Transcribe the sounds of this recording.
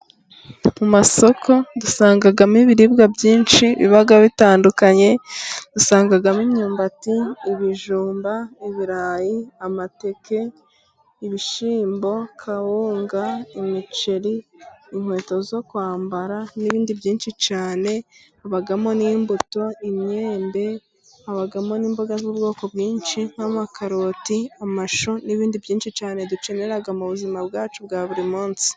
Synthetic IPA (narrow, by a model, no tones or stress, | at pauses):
mumaso̞kʰo̞dusaːŋɡaɡamiβiɾibɡabjiːnʃiβḭβaɡaβitaːndukaɲe̞d̥usaːŋɡaɡamiɲɲuːmbatiːβiʒuːmbaiβiɾaːjiamate̞ke̞ | iβiʃiːmbo̞kʰahuːŋɡaimit͡ʃeɾiːŋ̥hwe̞ːto̞zo̞kwaːmbaɾaniβiːndibjiːnʃit͡ʃaːne̞ | aβaɡamo̞niːmbuto̞imɲe̞ːmbe̞ | aβaɡamo̞niːmbo̞ɡazuːbɡo̞ːko̞bɡiːnʃin̥hamakʰaɾo̞tiamaʃoniβiːndibjiːnʃit͡ʃaːne̞dut͡ʃe̞neɾaɡamuβuzimabɡaːt͡ʃubɡaːβuɾimuːnsi̥